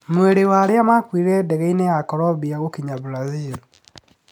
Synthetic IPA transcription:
mweɾewaɾeamakwiɾɛdɛɣɛineakɔɾɔβiaɣokiɲaβɾazil

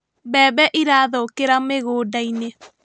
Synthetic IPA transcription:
bɛːbɛʔiɾaːðɔkeɾameɣoːdaine

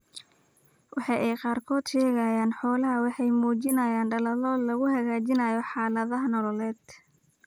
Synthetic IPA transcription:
wʔɑħɑjʔɛjqɑːrkʰɔːd̪ʃɛːɣɐjaːnħɔːlɐɦɐwɑħɑjmuːt͡ʃɪnɐjaːnɖɐlɐlɔːlɐɣʊɦɐɣaːt͡ʃɪnɐjɔħɑːlɐðɐɦɐnɔlɔlɛːd̪

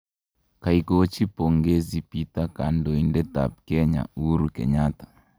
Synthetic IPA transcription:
kaikot͡ʃipoŋɡezipitakandoindɛta̰p̚kɛɲa̰uɾukɛ̰ɲatḁ

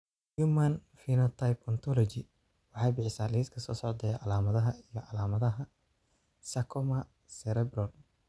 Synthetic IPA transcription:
jumɐnfinɐt̪ʰajpɔnt̪ʰɔlɔt͡ʃɪ | wɑħɑjbɪħɪsaːliːskʰɐsɔ̰ːsɔʕd̪ɛːjaʕɑlaːmɐðɐɦɐijɔʕɑlaːmɐðɐɦɐ | sɐkʰɔmɐ | sɛɾɛbrɔl

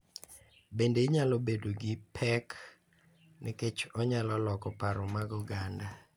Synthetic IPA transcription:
bendeɲalobedoɡɪpʰɛk | nɪket͡ʃɔɲalɔlɔkɔpaɾɔmaɡɔɡanda

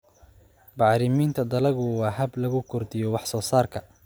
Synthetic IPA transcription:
bɑʕɾɪmiːnt̪ʰɐd̪ɐlɐɣʊwɑːɦɐblɐɣʊkʰʊrd̪ɪjɔwɑħsɔːsaːrkʰɐ

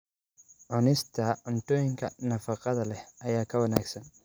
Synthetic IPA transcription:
ʕʊnɪst̪ʰɐʊnt̪ɔːjɪŋkʰɐnɐfɑqɑðɐlɛhɐjaːkʰɐwɐnaːɡsɐn

